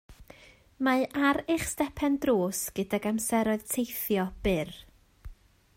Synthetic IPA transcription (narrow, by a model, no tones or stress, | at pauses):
maʔaɾɪχstɛpʰɛndroːsɡ̥ədaɡamsɛɾɔɨð̥tʰejθjɔb̥ɪr